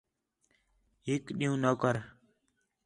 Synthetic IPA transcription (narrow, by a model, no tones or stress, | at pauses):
ɦikɗiũːnəkəɾ